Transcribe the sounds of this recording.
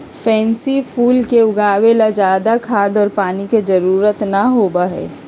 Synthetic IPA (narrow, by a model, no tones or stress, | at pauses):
fʰɛ̃ːnsipʰuːlkeʊɡaːwelad͡ʒaːd̪akʰaːd̪ɔːɾpaːniked͡ʒɐɾuːɾət̪naɦoːbaɦɛ̰ː